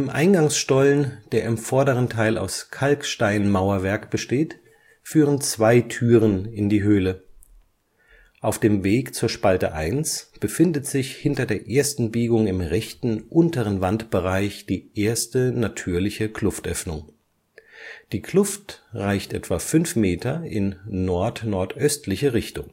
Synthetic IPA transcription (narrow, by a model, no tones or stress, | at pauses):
ɪmʔa̰ɪnɡaŋsʃtɔlnd̥eːɐɪmfɔɐdəʁ̞əntʰaɪlʔa̰ʊskʰalkʃtaɪnmaʊɐvɛɐkb̥əʃteːt | fyːʁ̞ənt͡sv̥aɪtʰyːʁənɪndiːɦøːlə | ʔaʊfd̥eːmveːkt͡suːɐʃpaltə̰ʔaɪnsb̥əfɪndətz̥ɪçhɪntɐdeːɐʔeːɐstn̩biːɡʊŋɪmʁɛçtn̩ʔʊntəʁənvantb̥əʁaɪçd̥iːʔeːɐstənatʰyːɐlɪçəkʰlʊftʔœfnʊŋ | d̥iːkʰl̥ʊftʁaɪçtʔɛ̰tv̥afʏnfmeːtʰɐɪnːɔɐtnɔɐtʔœstʰlɪçəʁɪçtʊŋ